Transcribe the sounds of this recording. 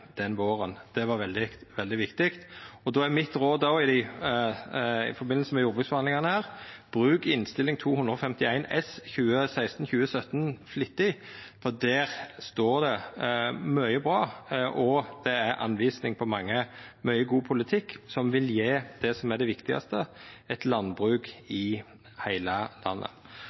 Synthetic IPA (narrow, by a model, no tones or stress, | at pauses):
d̪̥ɛnʋoːʁənd̪̥ɛʋɑɾʋɛld̪ɪʋɛld̪ɪʋɪkt̪ɪkt̪ɔd̪ɔːæɾmɪt̪ɾoːd̪ɔɪd̪ɪ | ɪ̰fɔɾbɪnːl̩səmɛjʊɾbʉt̪sfɔɾhɑnlɪŋɑnəhæːʁb̥ʁʉːkɪnst̪ɪlɪŋt̪ʰuːhʉnd̪ɾəɔfɛmt̪ɪæɪnɛsçʉːəsæɪst̪ən̩çʉːəsœt̪ːnflɪt̪ːɪ | fɔʁd̪æːɾst̪oːɾd̪ɛ | mœʏəbɾɑːʔɔd̪̥ɛæɾɑ̰nʋiːsnɪŋpʰɔmɑŋːəmœʏəɡuːpʰʊlɪt̪ʰɪkːsɔmʋɪljeːd̪̥ɛsɔmæɖ̪ɛʋɪkt̪ɪɡɑ̰st̪əɛt̪lɑnbʁʉːkɪ | hæɪləlɑ̰nːə̰